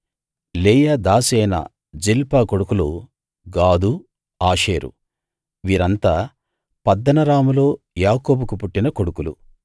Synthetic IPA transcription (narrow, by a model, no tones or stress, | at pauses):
leːjad̪aːsɛːjnɐ̰ | d͡ʒilpaːkoɽukulu | ɡaːd̪u | aːʂeːɾṵ | ʋiːɾɐnt̪aː | pɐd̪ːɐnɐɾaːmulo̞ː | jaːkoːbukupuʈːinɐkoɽukulṵ